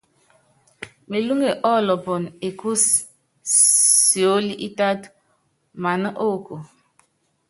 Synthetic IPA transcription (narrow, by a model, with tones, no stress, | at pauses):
me˨lu˦ŋe˨ʔɔ˦˨lɔ˨bɔ˨n˨e˨ku˦s | si˨o˦li˦ʔi˦ta˦t | ma˨nə˦ʔo˦˨ko˨